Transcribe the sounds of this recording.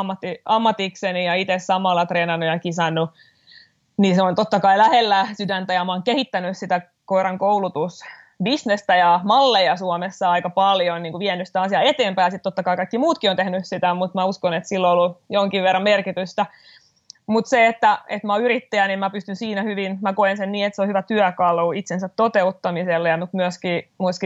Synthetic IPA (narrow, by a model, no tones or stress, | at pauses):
mːɑt̪ːiɑmːɑt̪iksenijɑit̪essɑmɑlːɑt̪reːnɑnːujɑkisɑnːu | niseont̪ot̪ːɑkɑilæhelːæsydænt̪æjɑmɑoŋkehit̪ːænyssit̪æ | koirɑŋkoulut̪us | bisnest̪æjɑmɑlːejɑsuomesːɑɑikɑpɑljonniːŋkuʋiænːysit̪æɑsiɑet̪eːmpæjɑsit̪t̪ːot̪ːɑkɑikɑikːimuːt̪kiont̪ehnyssit̪æmut̪mæuskonet̪silːoolːujoŋkiʋʋerːɑmmerkit̪yst̪æ | mut̪seet̪ːæet̪mæoyɾit̪ːæjænemmæpyst̪ynsiːnæhyʋinmækoensenniːet̪seohyʋæt̪yœkɑluit̪sensæt̪tot̪eut̪ːɑmiselːejɑmut̪myøskiːmuski